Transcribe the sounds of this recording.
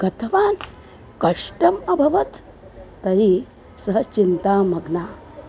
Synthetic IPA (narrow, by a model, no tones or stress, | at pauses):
ɡ̥ɐt̪ʰɐʋaːn | kɐʂʈɐmɐbʱɐʋɐt̪ː | ɐɾi | sɐɦɐt͡ʃint̪aːmɐɡnaː